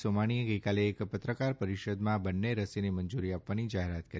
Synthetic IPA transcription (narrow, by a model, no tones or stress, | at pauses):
somaɽ̃ieɡəjkaleːkpət̪ɾəkaɾpəɾiʃəd̪mãbənːeɾəsineməɲd͡ʒuɾiapʋanid͡ʒaɦeɾat̪kəɾ